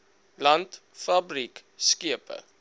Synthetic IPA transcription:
lɐnt | fɐbrikskiəpə̰

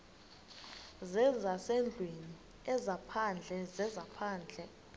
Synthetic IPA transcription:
zɛd͡zʱasɛnd͡ɮʱweni | ɛzapʰand͡ɮʱɛzɛzapʰaːnd͡ɮʱɛ

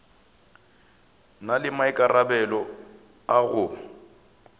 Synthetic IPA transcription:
nalɪmaɪkʼarabɛlɔ | aɣʊ

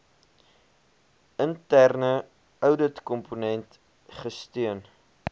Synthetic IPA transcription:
əntærnə | œwdətkɔmpunɛnt | χəstyən

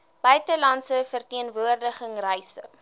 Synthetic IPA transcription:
b̥œɥtəlɐntsəfərtiənvuərdəχəŋrəjsə̰

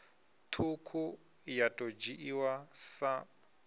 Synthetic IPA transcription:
t̪ʰukʰu | jatʼod͡ʒiʔiwasa

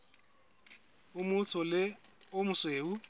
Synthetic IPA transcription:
ʊmʊt͡sʰɔlɪʊmʊsweːu

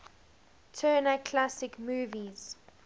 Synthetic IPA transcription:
tʰɜːnakʰlasɪkmuːviz̥

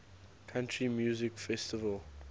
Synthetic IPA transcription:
kʰãntʰɹimjuːzɪkfɛstɪvəl

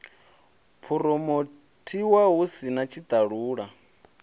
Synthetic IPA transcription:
pʰuɾɔmo | tʰiwaɦusinat͡ʃʰid̪aɺuːɺa

